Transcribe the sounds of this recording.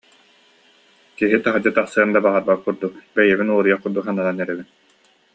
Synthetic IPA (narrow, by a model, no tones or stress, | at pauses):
kiɦit̪aɦad͡ʑɯt̪aχsɯɐnd̪abaʁaɾbakkːuɾd̪ukbɛjɛbinuɔɾujaχkːuɾd̪uksanananɛɾɛbin